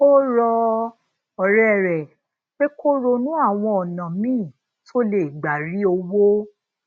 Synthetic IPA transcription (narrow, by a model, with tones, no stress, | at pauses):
o˦ɾɔ˧ | ɔ˨ɾɛ˦˨ɾɛ˨ | k͡pe˦kʰo˦ɾo˧nũ˦a˦˨w̃ɔ̃˧ɔ˨nã˨mĩː˦˨ | to˦le˨ɡ͡ba˨ɾi˨˦o˧wo˦